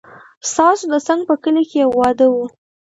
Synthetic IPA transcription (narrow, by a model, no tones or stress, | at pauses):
st̪ɑsod̪ət͡saŋɡ̚pəkəlekewɑd̪əwu